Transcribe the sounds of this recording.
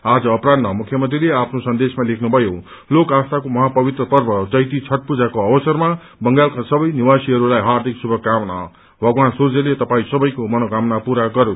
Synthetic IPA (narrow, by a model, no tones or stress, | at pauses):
ad͡zʌːpɾad̪mamukʰjʌmʌnt̪rileapʰnosʌnd̪esmalekʰnubʱʌjo | lokast̪ʰakomʌɦapʌbit̪ɾrʌpʌrbʱʌd͡zʌjt̪it͡sʰʌʈ̚pud͡zakoʌbʌsʌrma | bʌŋɡalkasʌbʌjniwasiɦʌɾulajɦaɾd̪ʱiksubʱʌkamna | bʱʌɡwansurd͡zʌlet̪ʌpaĩsʌbʌjkomʌnokamnapuɾaɡʌɾu